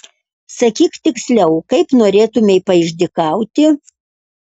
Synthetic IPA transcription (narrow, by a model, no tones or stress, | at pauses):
sɐkʲiːkt̪ʲɪksʲlʲɛʊkɐɪpnoːɾʲeːt̪ʊmʲɛɪpɐɪʒʲd̪ʲɪkɑˑʊt̪ʲɪ